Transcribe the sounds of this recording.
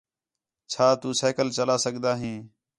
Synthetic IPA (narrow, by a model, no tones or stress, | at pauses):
t͡ʃʰaːt̪uːseːkəlt͡ʃəlaːsəɠd̪aːɦĩː